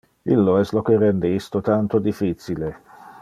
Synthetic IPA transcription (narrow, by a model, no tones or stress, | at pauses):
ḭlːoɛst̪lokerɛnd̪eist̪ot̪ant̪od̪ifːit̪sile